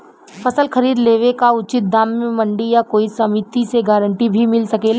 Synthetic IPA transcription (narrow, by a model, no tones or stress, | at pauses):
fʰɐsəlxɐɾiːd̪leːʋekaʊt͡ʃɪt̪̚d̪aːmːẽmɐ̃ɳɖijakoːisɐmit̪iseɡaːɾə̃ɳʈibʱimɪlsɐkel